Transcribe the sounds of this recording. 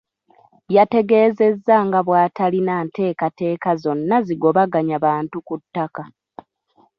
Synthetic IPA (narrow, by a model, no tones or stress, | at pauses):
jate̞ɡe̞ːze̞zːaŋɡaβwaːtalinaːnte̞ːkate̞ːkazo̞nːaziɡo̞βaɡaɲaβaːntukutːaka